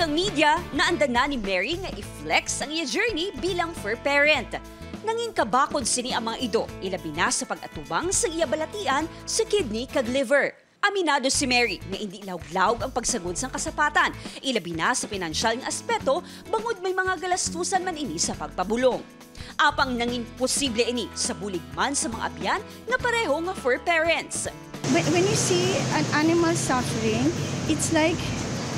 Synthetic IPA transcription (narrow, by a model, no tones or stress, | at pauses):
kɐŋmid̪jɐnɐʔɐnd̪ɐnanɪmɛɹiŋɐʔɪflɛksʔɐŋʔɪjad͡ʒɛɹnibiːlɐŋfɛɹpɛɹɛnt̪ | nɐŋiŋkɐbaːkod̪̚sɪniʔɐŋmɐŋaʔɪd̪o̞̰ʔɪlɐbinasɐpɐɡ̚ʔɐt̪ubaŋsɐŋʔɪjabɐlɐt̪iːʔɐn | sɐkɪd̪̚nikɐd̪lɪvɛɹ | ʔɐmɪnaːd̪o̞sɪmɛɹiŋɐhɪnd̪ilaʊɡ̚laːʔoɡɐŋpɐɡ̚sɐɡod̪sɐŋkɐsɐpaːt̪ɐnʔɪlɐbinasɐpɪnɐnʃalnɐʔɐspɛk̚t̪o̞ | bɐŋod̪̚mɐjmɐŋaɡɐlɐst̪uːsɐnmɐnɪnisɐpɐɡ̚pɐbʊloŋ | ʔaːpɐŋnɐŋɪnposiblɛʔɪnisɐbulɪɡ̚mansɐmɐŋa̰ʔɐ̰pjanːɐpɐɾɛɦo̞ŋɐfɛɹpɛɹɛnt̪s | wwɛ̃njusiɐ̃nʔanɪmɐlsafəɹɪ̃ŋɪt̪slajk